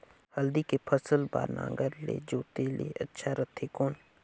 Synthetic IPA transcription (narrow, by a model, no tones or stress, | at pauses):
hɐld̪ikepʰəsəlba̰ːɾnã̰ːŋɡəɾlḛd͡ʒoːt̪elḛɐtːʃʰaɾət̪ʰekoːn